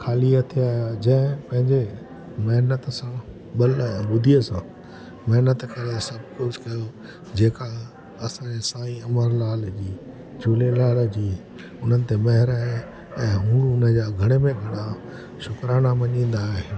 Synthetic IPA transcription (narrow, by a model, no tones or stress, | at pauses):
kʰaːliat̪ʰijaːɦjad͡ʑɐ̃ɪ̃pɐ̃ɦɪ̃ɲd͡ʑe | mɐɦnət̪sã | ɓɐlaɦẽɓʊd̪ʱijəsã | mɐɦnət̪kɐɾət̪sɐbʱkʊd͡ʑkɐjo | d͡ʑeːka | ɐsãesaːĩɐməɾlaːld͡ʑiː | d͡ʑuːlelaːld͡ʑiː | ʊn̤ənɪ̆t̪emɐɦɪɾaːɦe | ɛ̃ːɦũːɽ̃uʊnəd͡ʑaːɡʱɐɽ̃emẽɡʱɐɽ̃a | ʃʊkɾaːnamɐɲĩːn̆d̪aːɦe